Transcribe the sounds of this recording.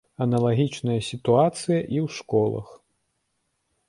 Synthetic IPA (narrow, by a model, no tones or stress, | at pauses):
ɐnɐlˠaɣʲit͡ʂnɐjɐsʲit̪uat̪sɨjɐʔiwʂkɔlˠɐ̰x